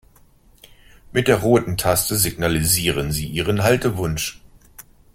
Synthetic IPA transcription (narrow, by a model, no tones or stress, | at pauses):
mɪt̚d̥eːɐʁoːtn̩tʰastəziɡnaliziːʁənziːʔiːʁ̞ənɦaltəvʊnʃ